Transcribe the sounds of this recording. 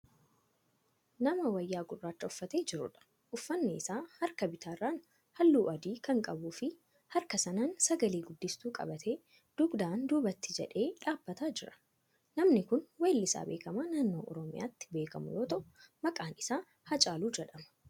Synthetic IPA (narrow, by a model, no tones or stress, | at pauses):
nɐmɐwɐjːaːɡʊrːaːt͡ʃːɐʊfːɐt̪e̞ːd͡ʒɪɾʊ̰ᶑɐ̥ | ʔʊfːɐnːeːɪsaːhɐɾkɐbɪt̪ʰaːrːaːn | hɐlːuːʔɐd̪iːkɐŋkʼɐbuːfɪ | hɐɾkɐsɐnaːnsɐɡɐliːɡʊd̪ːɪst̪uːkʼɐ̰bɐt̪ʰe̞ː | d̪̥ʊɡd̪aːnd̪uːbɐt̪ːɪd͡ʒɛ̰ᶑe̞ːᶑaːbːɐt̪aːd͡ʒɪɾɐ̥ | nɐmnɪkʊnweːlːɪsa̰ːbe̞̰ːkɐmaːnaːnːo̞ːʔɔ̰ɾɔmɪ̰ja̰ːt̪ːɪ̥be̞ːkɐmʊ̰joːt̪ɔʔmɐkʼaːnɪsaː | hɐt͡ʃʼaːluːd͡ʒɛᶑɐmɐ̥